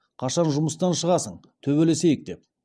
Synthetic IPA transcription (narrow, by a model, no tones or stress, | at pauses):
qʰɑʃɑnʒʊməst̪ɑnʃəʁɑsəɴ | t̪ʰɵβe̞le̞sejɪk̚d̪e̞p̚